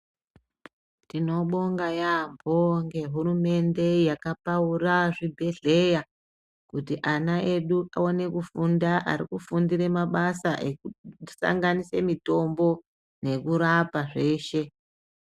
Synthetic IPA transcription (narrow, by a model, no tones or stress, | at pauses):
tino̞ɓo̞ŋɡajambʱoŋɡe̞ɦuɾume̞nde̞jakapauraʐibʱe̞ɮe̞ja | kutiʔanaʔe̞ɗuʔao̞ne̞kufundaʔa̰ɾikufundiɾe̞maɓasaʔekusa̰ŋɡanise̞mito̞mbo̞ | ne̞kuɾapaʐe̞ːʃe̞